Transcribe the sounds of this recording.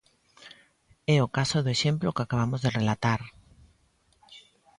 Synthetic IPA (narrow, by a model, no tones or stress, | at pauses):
ɛokasoðoeʃemplokakaβ̞amozðerelat̪aɾ